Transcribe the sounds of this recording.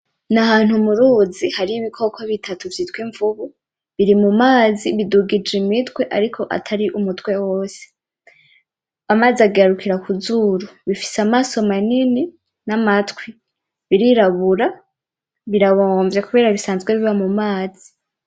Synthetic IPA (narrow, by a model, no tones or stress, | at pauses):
nahaːn̥humuɾuːzihaɾiiβikʰo̞kʰoβitʰatuvjitwiːɱvuβu | βiɾimumaːziβiduɡid͡ʒimitwe̞ʔaɾikʰo̞ʔa̰tʰaɾiʔumutwe̞woːse̥ | amaːziaɡaɾukiɾakuzuɾuβifi̥samaːso̞manini | namatwi | βiɾiɾaβuɾa | βiɾaβoːɱvje̞kuβe̞ːɾaβisaːnzɡwe̞βiβamumaːzi